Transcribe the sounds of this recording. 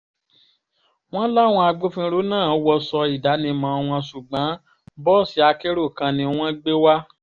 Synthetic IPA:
w̃ɔ̃˦la˦˨w̃ɔ̃˧a˧ɡ͡bo˦fĩ˧ɾo˦nãː˦˨ɔ˨˦wɔ˧sɔ˧i˨da˨˦nĩ˧mã˨˦˧w̃ɔ̃˧su˨ɡ͡bã˨˦ | bɔ˦˨si˨˦a˧ke˦ɾo˦˨kã˧nĩ˧w̃ɔ̃˦ɡ͡be˦wa˦

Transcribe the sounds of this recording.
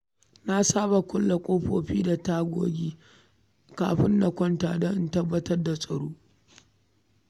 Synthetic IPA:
na˦saː˦ba˨kʷʊ˦lːa˨kʷʼoː˦ɸoː˦ɸiː˦da˨taː˦ɡʷo̰ː˦˨ɡʲiː˦ | kaː˨ɸɪ˦nːɐ˨kʷɔ˦ntaː˨dɐ˦ʔntɐ˦bːɐ˦tɐ˦rda˨sʼɐ˨ɽoː˦

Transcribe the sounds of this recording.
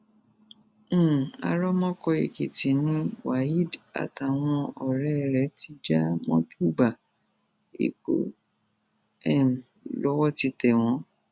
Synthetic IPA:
a̰˧ɾɔ˦mɔ̃˦kɔ˧e˨ki˨tĩ˨˦nĩ˦wa˨ji˦˨da̰˨ta˨w̃ɔ̃˧ɔ˨ɾɛ˦˧˨ɾɛ˨˦ti˧˦d͡ʒa˦mɔ̰̃˦tu˦ɡ͡ba˨ | ḭ˨k͡po̰˨˦ | ɛ˦˨m̩˨ | lɔ˦wɔ˦ti˧tɛ˨w̃ɔ̃˨˦

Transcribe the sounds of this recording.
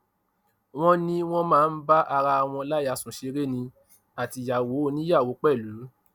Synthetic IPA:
w̃ɔ̃˦nĩ˦w̃ɔ̃˦mãː˦˧n̩˦ba˦ʔa˧ɾa˧a˧w̃ɔ̃˧la˦ja˨sũ˨ʃe˧ɾe˦nĩ˧ | a˨ti˧ja˨wo˨˦o˦˧nĩ˦ja˦˨wo˨˦k͡pɛ˦˨lu˨˦

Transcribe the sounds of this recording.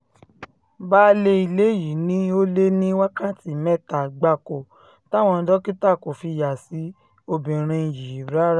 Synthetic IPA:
baː˦˧le˧i˨le˨˦ji˨˦nĩ˦o˦le˦nĩ˦wa˦ka˦˨ti˨mɛ̃˦˨ta˨ɡ͡ba˧˨ko˨ | ta˦˨w̃ɔ̃˧˦dɔ˦ki˦ta˦˨ko˨fi˧ja˨si˨˦ | o˧bĩ˨ɾ̃ĩ˧˨ji˨ɾa˦ɾa˦

